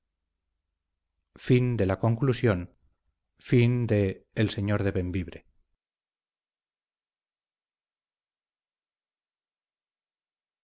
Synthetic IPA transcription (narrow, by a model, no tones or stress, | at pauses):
find̪e̞lako̞ŋklusjo̞n | find̪eːlse̞ɲoɾðe̞βe̞mbiβɾe